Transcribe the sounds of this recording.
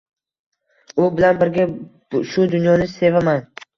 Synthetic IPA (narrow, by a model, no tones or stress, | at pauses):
ʊbɪlanbɪɾɡʲa | ʃʊd̪ʊnjɒnɪse̞vaman